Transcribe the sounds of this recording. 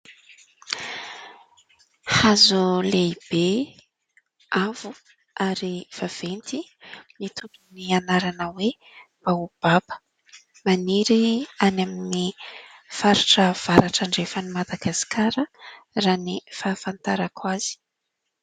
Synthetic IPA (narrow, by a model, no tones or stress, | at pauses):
hazuleib̥e | avu | ʔaɾiv̥av̥ent̪init̪ʰubunianaɾanəwe | b̥aub̥abə̥ | maniɾianamini | faɾaʈ͡ʂəv̥aɾaʈ͡ʂaɳɖ͡ʐefənimad̪aɡasi̥kʰaɾə | raːnifafant̪aɾakʰwaz̥i̥